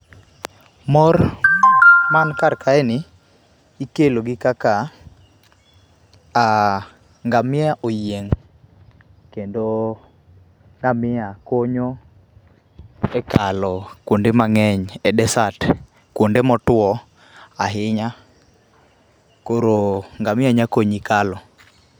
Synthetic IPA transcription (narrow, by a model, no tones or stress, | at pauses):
mɔr | mankarkaɛnɪ | ikeloɡɪkaka | a | ŋɡamɪaʔojeŋ | kendo | ŋɡamɪakoɲo | ɛkalɔkwondemaŋɛɲɛdɛsat | kwondemɔtwɔ | aɦɪɲa | koɾoŋɡamɪaɲakoɲikalɔ